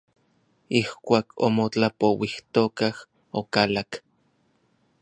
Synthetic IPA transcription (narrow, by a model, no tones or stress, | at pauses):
ihkʷaːkʰo̰mot͡ɬapowiht̪okah | okalak